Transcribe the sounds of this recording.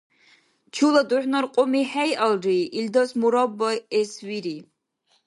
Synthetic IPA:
t͡ʃʰulad̪uħnaɾqʼɔmiħɛjalɾiʔild̪ɔsmuɾɔbːɔɛswiɾi

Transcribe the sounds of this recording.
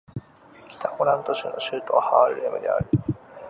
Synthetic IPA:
kʲi̥t̪akoɾãnt̪oɕɨ̰ːnoɕɨːt̪oahaɾɯ̟ɾemɯ̟d̪ḛa̰ɾi

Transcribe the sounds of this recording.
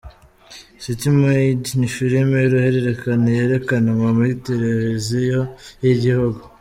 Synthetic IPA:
sitimwedniʃuɾimejuɾuhe̞ɾeɾe̞kanejeɾe̞kanaŋɡomuɾiteɾewezijojiɟihuɡu

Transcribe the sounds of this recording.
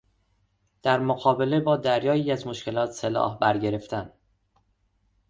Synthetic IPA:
d̪̥æɾmoɣɒːbe̞lebɒːd̪æɾjɒːjiːæzmoʃcʰe̞lɒːt̪selɒ̰ːhbæɾɟe̞ɾe̞ft̪ʰæn

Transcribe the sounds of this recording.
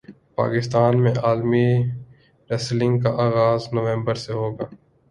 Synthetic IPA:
pa̰ːkɪst̪aːnmẽaːlmi | ɾɛslɪ̃ŋɡkaʔaːɣaːznoʋẽːmbəɾseɦoːɡaː

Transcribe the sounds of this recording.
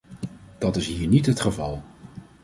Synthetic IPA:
d̥ɑtɪsɦiːɹnitɦətχəvɑlˠ

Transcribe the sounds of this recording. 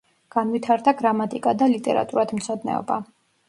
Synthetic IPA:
ɡ̥anvit̪ʰaɾd̪aɡɾamat̪ʼikʼad̪alit̪ʼɛɾa̰t̪ʼuɾad̪mt̪sʰɔd̪nɛ̰ɔ̰ba

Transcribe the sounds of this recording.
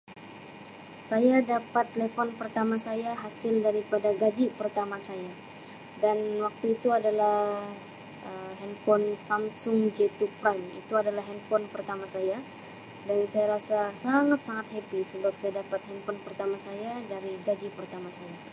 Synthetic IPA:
sajadapat̪ːlefɔnpərt̪amasajaɦasɪldaɾipadaɡad͡ʒipərt̪amasaja | danwak̚t̪uit̪uadalah | ʔəɦɛnfɔnsamsʊŋd͡ʒɛt̪upɾanḭt̪uadalahɦɛnfɔnpərt̪amasaja | dansajaɾasasaŋat̪̚saŋat̪̚hepisəbap̚sajadapat̪̚hɛnfɔnpərt̪amasajadaɾiɡad͡ʒipərt̪amasaja

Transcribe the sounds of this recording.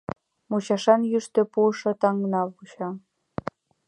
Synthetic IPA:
mut͡ɕɑʃɑnjyʃt̪ø̆puʃɤ̆t̪ɑŋnɑvuɕɑ

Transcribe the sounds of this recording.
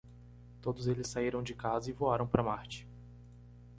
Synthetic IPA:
t̪od̪ʊzelɪsːaiɾɐ̃w̃d͡ʒɪkazɐɪvoaɾɐ̃w̃pɾɐmaɾt͡ʃɪ̥

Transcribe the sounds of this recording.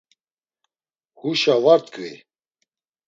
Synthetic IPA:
huʃavaɾt̪kʰʼvḭ

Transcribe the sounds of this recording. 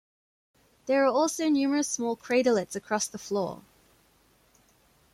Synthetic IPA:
ðəɹəɔˑlˠsəʊnjʉːməɹəsmɔːlˠkʰɹ̥eɪɾələtsəkʰɹ̥ɔsðəflɔ̰ː

